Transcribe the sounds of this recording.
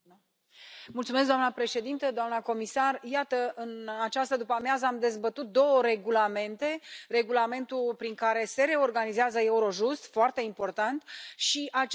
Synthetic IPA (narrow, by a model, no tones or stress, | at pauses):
mult̪sumeskd̪oamnəpɾe̞ʃe̞d̪int̪əd̪oamnəko̞misarjat̪əʔɨnat͡ʃast̪əd̪upamjazəamd̪e̞zbət̪ut̪̚d̪o̞wəɾe̞ɡulame̞nt̪e̞re̞ɡulame̞nt̪ulpɾiŋkaɾe̞se̞ɾe̞o̞rɡanizeazəe̞uɾo̞ʒust̪foart̪e̞impo̞rt̪ant̪ʃiʔat͡ʃ